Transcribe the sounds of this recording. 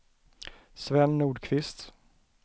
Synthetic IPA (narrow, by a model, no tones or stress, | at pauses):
svɛnːuːɖkʰvɪst̪